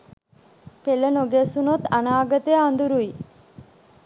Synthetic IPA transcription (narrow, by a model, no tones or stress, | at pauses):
pelənoɡesunot̪anaːɡət̪əjaːnd̪uɾui